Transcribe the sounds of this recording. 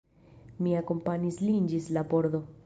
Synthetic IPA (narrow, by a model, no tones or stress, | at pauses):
miakompaɲislind͡ʒislaboɾd̪o